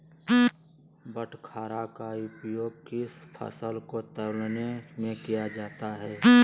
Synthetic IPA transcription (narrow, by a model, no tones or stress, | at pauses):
bəʈʰkʰaːɾakaʊpjoːɡkɪspʰə̰səlkot̪əlnemẽkijad͡ʒaːt̪aɦɛː